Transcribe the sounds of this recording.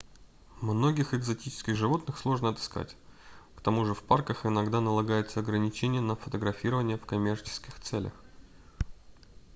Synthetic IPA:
mno̞ɡʲɪxɨɡzɐtʲit͡ɕɪ̥skʲɪxʐɨvo̞t̪nɨxslˠo̞ʐnəɐt̪ɨ̥ska̰tʲkt̪ɐmuʐɨfparkəxɪnɐɡd̪anəlˠɐɡajɪt̪səɐɡɾənʲɪt͡ɕenʲɪjənəfət̪əɡɾɐfʲiɾəvənʲɪjəfkɐmʲe̞rt͡ɕɪ̥skʲɪxt̪sɛlʲə̰x

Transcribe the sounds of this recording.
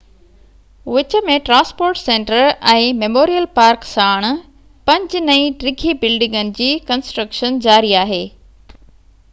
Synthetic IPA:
ʋɪt͡ɕə̆mẽʈɾãːnspoːɾʈsẽːɳʈəɾɛ̃ːmemoːɾijəlpaːɾksaːɽ̃ | pɐ̃ɲd͡ʑnɐĩʈɾɪɡʱibɪlɖɪ̃ŋɡənɪ̆d͡ʑiːkɐ̃nsʈɾəkʃənd͡ʑaːɾiaːɦeː

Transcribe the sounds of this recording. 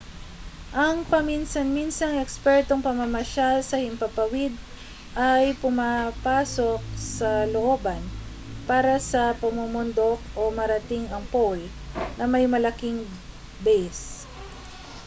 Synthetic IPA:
ʔɐŋpɐminsɐnminsɐŋɛkspɛɹt̪oŋpɐmɐmɐʃalsɐhɪmpɐpɐwɪd̪̚ | ʔajpʊmapaːso̞k̚sɐloʔoːbɐn | paːɾɐsɐpɐmumʊnd̪ok̚ʔomɐɾɐt̪ɪŋɐŋpol | nɐmɐjmɐlɐkɪŋ | bɛjs

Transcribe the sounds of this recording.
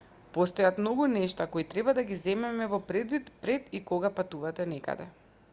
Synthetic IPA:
post̪ɔjat̪mnɔɡunɛʃt̪akoit̪ɾɛbad̪aɡizɛmɛmɛvɔpɾɛd̪vit̪pɾɛt̪ikoɡapat̪uvat̪ɛnɛka̰d̪ɛ

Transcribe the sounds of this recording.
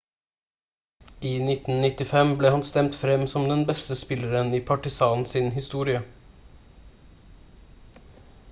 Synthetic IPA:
ʔiːnɪt̪n̩nɪt̪ɪfɛmbleːhɑnst̪ɛmt̪fɾɛmsɔmd̪ɛnbɛst̪əspɪləɾəniːpʰɑʈɪsɑːnn̩siːnhɪst̪uːɾɪə

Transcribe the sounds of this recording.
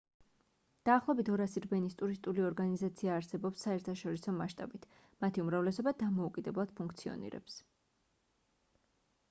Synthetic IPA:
d̪̥aːχlˠɔbit̪ʰɔɾasiɾbɛnist̪ʼuɾist̪ʼuliɔɾɡanizat̪sʰiaːɾsɛbɔpsːaɛɾt̪ʰaʃɔɾisɔmaʃt̪ʼa̰bit̪ʰ | mat̪ʰiumɾavlɛsɔbad̪amɔukʼid̪ɛblˠad̪̥pʰuŋk̚ʰt̪sʰiɔ̰nḭɾɛ̰ps

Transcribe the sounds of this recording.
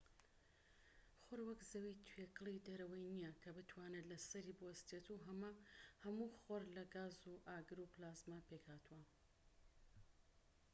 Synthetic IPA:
χoɾwɐkzɐwit̪ʰwekɨlˠid̪ɐɾɐwɐjnijɐkʰɐbɨt̪ʰwaːnelɐsɐɾiːbɨwɐst̪et̪ʰuɦɐmahɐmuχoɾlɐɡaːzuʔaːɡɨɾuplaːzmapekhaːt̪uwɐ

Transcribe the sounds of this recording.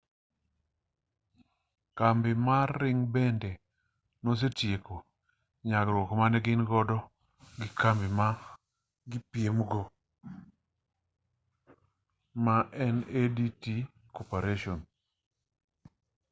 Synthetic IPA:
kambɪmarɪŋbɛndɛ | nos̬etjeko | ɲaɡɾwɔkmanɛɡɪnɡɔdɔ | ɡɪkambɪma | ɡɪpiemɡo | maʔɛnediti | kopaɾeʃon

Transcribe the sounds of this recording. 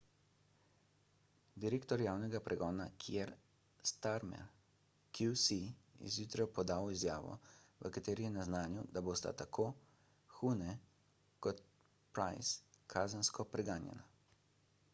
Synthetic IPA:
d̪iɾeːkt̪ɔɾjaːwnɛɡapɾʔɛɡɔːnakʰijɛɾ | st̪aɾmɛ̰ɾ | kjusiḭzjuːt̪ɾɛpɔd̪aːwizjaːʋɔ̰ʋəkat̪eːɾijɛnaznaːnjud̪aboːst̪a̰t̪akʰoː | xuːnɛ | kɔt̪̚ | pɾajskʰaːzənskɔpɾɛɡaːnjɛ̰na

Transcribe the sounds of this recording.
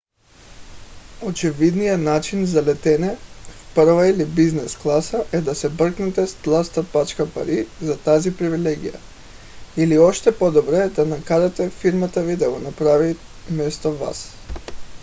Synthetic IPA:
ot͡ʃɛvid̪nijanat͡ʃinzalɛt̪ɛnɛfpɾvailibiznɛsklˠasaʔɛd̪asɛbr̩knɛt̪ɛst̪lˠast̪apat͡ʃkapa̰ɾizat̪azipɾivilɛɡḭja̰ | iliɔʃt̪ɛpɔd̪ɔbɾɛd̪anakaɾat̪ɛfiɾmat̪avid̪aɡɔnapɾavi | mɛst̪ɔva̰s

